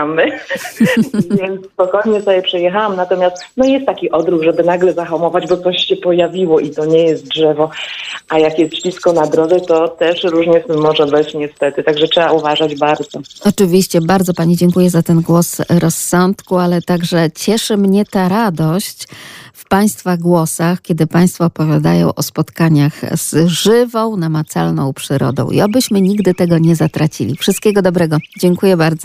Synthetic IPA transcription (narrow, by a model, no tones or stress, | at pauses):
mɘ | vʲjɛnt̪sspɔkɔjɲɛsɔbʲjɛpʂɛjɛxawamnat̪ɔmʲjast̪nɔjɛst̪ːakʲiʔɔd̪ɾuɡʐɛbɘnaɡlɛzaxamɔvad͡ʑbɔt̪sɔɕɕɛpɔjavʲiwɔʔit̪ɔɲɛjɛst̪̚dʐɛvɔʔajakjɛst̪t͡ɕfʲiskɔnad̪ɾɔvɛt̪ɔt̪ɛʂɾuʐɲɛmɔʐɛbɘt͡ɕɲɛst̪ɛt̪ɘt̪aɡʐɛtʂɛbauvaʐad͡ʑbaɾd̪zɔɔt͡ʂɘvʲiɕt͡ɕɛbaɾd̪zɔpaɲid͡ʑɛŋkujɛzat̪ɛnɡwɔsɾɔsːɔnt̪kualɛt̪aɡʐɛt͡ɕɛʂɘmɲɛt̪aɾad̪ɔɕt͡ɕfpaj̃st̪faɡwɔsaxkʲɛd̪ɘpaj̃st̪fɔːpɔvʲjad̪a̰jɔ̰̃w̃ʔɔspɔt̪kaɲaxz̥ʐɘvɔ̃w̃namat̪sa̰lnɔ̃w̃pʂɘɾɔ̰d̪ɔ̰̃w̃ʔḭabɘɕmɘɲiɡd̪ɘt̪ɛɡɔɲɛzat̪ɾat͡ɕḭlʲḭfʂɨst̪kʲɛɡɔd̪ɔbɾɛɡɔd͡ʑɛŋkujɛbaɾd̪zɔ